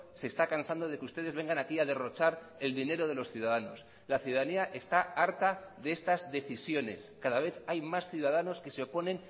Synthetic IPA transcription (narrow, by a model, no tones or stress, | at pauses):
seːst̪akansand̪o̞ðe̞kust̪e̞ð̞ezβ̞e̞ŋɡanakiaðe̞ro̞t͡ʃaɾ | e̞ld̪ine̞ɾo̞ðe̞lo̞sθjuðað̞ano̞s | laθjuðaðaniaʔe̞st̪aaɾt̪aðeest̪azðe̞θisjo̞ne̞skaðaβ̞e̞θajmasθjuð̞að̞ano̞ske̞seo̞po̞nẽ̞n